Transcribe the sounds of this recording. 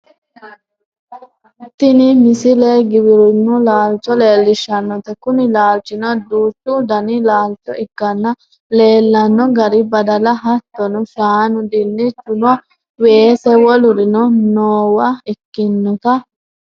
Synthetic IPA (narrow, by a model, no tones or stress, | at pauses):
ɪt̪ːɪnɪmɪsɪleɡɪwɪɾʊnːʊlaːlt͡ʃːɔle̞ːlːɪʃːɐnːɔt̪ɐkʊnɪlaːlt͡ʃːɪnɔd̪uːt͡ʃːʊd̪ɐnɪlaːlt͡ʃːɔʔɪɡːɐnːɐ | le̞ːlːɐnːɔɡɐɾɪbɐd̪ɐlɐɦɐt̪ːɔnɔʃaːnʊd̪ɪnːɪt͡ʃːʊnɔ | weːsɛwɔlʊɾɪnɔnoːwɐɪkːɪnːɔt̪ɐ